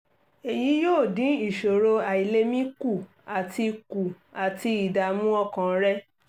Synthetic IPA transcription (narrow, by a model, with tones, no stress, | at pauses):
e˨ji˨˦joː˦˨dĩ˨˦i˨ʃo˨ɾo˧a˨i˨le˦mĩ˦ku˦˨ | a˨ti˧ku˨ | a˨ti˧i˨da˨˦mũ˦ɔ˦kã˨˦ɾɛ˦